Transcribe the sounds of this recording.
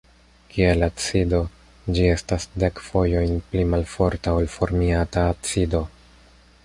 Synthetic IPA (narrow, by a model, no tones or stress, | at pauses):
kʰielat͡sido̞ | d͡ʒie̞stasde̞kfo̞jo̞jnplimalfo̞ɾtaolfo̞ɾmiataːtt͡sido̞